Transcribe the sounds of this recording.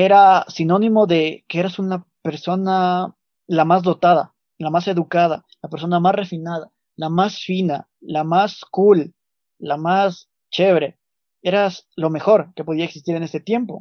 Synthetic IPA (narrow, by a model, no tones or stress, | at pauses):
e̞ɾasino̞nĩmo̞ðe̞keeɾasunape̞ɾso̞na | lamazðo̞t̪aða̰ | lamase̞ðukað̞a̰lape̞ɾs̬o̞namasre̞finaða | lamasfina | lamaskulː | amas | t͡ʃe̞βɾe̞ | e̞ɾaslo̞me̞xo̞ɾke̞po̞ð̞iaeksist̪iɾe̞ne̞se̞t̪je̞mpo̞̰